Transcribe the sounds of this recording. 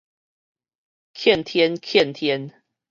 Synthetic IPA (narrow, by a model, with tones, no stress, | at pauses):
kʰjɛ˥˨nt̪ʰjɛ˦nkʰjɛ˥˨nt̪ʰjɛ˦n